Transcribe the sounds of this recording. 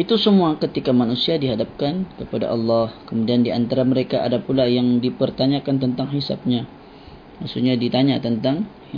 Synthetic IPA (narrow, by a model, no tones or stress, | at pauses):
ʔit̪usəmuakət̪ikamanusiadiɦadap̚kankəpada̰ʔɑlːɑhkəmudiandiant̪aɾaməɾekaʔa̰dapulajaŋdipərt̪aɲakant̪ənt̪aŋɦisa̰b̚ɲa | maksuɲadit̪aɲat̪ənt̪aŋ